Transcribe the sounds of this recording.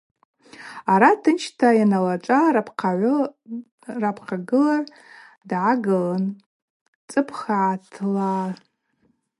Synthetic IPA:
aɾatʰɨnt͡ʃʰtʰajanalaʈ͡ʂʷʼarpʰʕʷ | rapʰqʰaɡɨlar | dʕaɡɨlan | t͡sʼɨpʰχaʕatʰla

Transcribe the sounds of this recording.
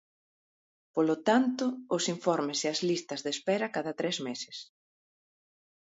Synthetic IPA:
polot̪ant̪ʊːsiɱfɔɾmɪseɐzlist̪ɐzðespɛɾɐkaðɐt̪ɾezmesɪ̥s

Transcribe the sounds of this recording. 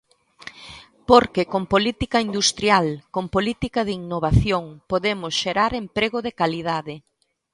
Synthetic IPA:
poɾkekompolit̪ikaind̪ust̪ɾjalkompolit̪ikaðiŋnoβ̞aθjoŋpoðemʊsʃeɾaɾempɾeɣoðekalið̞aðɪ

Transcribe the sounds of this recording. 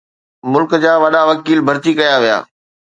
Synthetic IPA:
mʊlkd͡ʑaːʋɐɗaʋɐkiːlbʱɐɾt̪ikɐjaʋija̰ː

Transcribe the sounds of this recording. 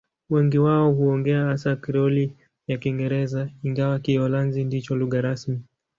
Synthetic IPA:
wɛŋɡiwaɔɦuɔŋɡɛahasakiɾɔli | jakiŋɡɛɾɛzaiŋɡawakiɔlanzindit͡ʃɔluɣaɾasmi

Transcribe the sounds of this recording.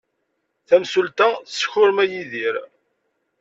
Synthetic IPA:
θæmsult̪æθsçʊɾmæjiðiɾ

